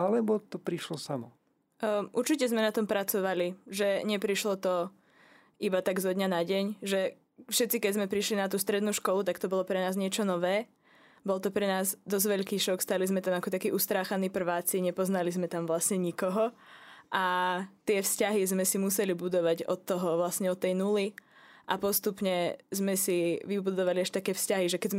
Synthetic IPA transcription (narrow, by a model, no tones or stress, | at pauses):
alɛbɔt̪ɔpɾiʃlɔsamɔ̰ | ʔuɾt͡ʃicɛzmɛnat̪ɔmpɾat͡sɔʋaliʒɛɲɛpɾiʃlɔt̪ɔ | ʔibat̪aɡzɔd̪ɲanaɟɛɲʒɛ | fʃɛt̪t͡sikɛɟzmɛpɾiʃlinat̪uːst̪ɾɛd̪nuːʃkɔlut̪akt̪ɔbɔlˠɔpɾɛnaːzɲɪɛt͡ʃɔnɔʋɛː | bɔlt̪ɔpɾɛnaːzd̪ɔzʋɛʎkiːʃɔkst̪alizmɛt̪amakɔt̪akiːʔust̪ɾaːxaniːpr̩ʋaːt͡siɲɛpɔznalizmɛt̪amʋlasɲɛɲikɔɦɔʔat̪ɪɛfscaɦizmɛsimusɛlibud̪ɔʋaɟɔt̪ːɔɦɔʋlasɲɛɔt̪ːɛjnuliʔapɔst̪upɲɛzmɛsiʋibud̪ɔʋaliaʃt̪akɛːfscaɦiʒɛkɛzm